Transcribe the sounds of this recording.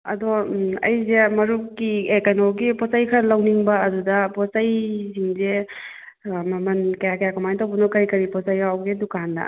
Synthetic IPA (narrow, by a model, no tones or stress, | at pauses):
ɐ̰dɔɐ̰jzemɐɾukiekɐnoɡipɔsajkʰɐlɐwniŋbɐɐdudɐpɔsajziŋze | mɐmɐnkɐjakɐjakɐmajntɐwbɐnokɐɾikɐɾipɔsajkawɡedukandɐ̰